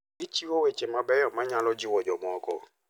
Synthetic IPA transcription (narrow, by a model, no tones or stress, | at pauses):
it͡ʃiwowet͡ʃɛmãbɛɔmãɲãlɔd͡ʒiwɔd͡ʒɔmɔ̃ɔkɔ